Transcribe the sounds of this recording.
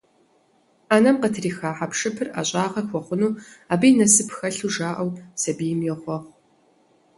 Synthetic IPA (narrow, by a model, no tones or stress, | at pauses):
aːnɐmqətʰriːxaːħapʂɨpʰɨra̰ːɕʼaːʁɐxʷɔχʷʊnuːaːbijnɐsɨpʰxɐɬuːʒaːʔɐwsɐbiːjɪmjɛʁʷɔʁ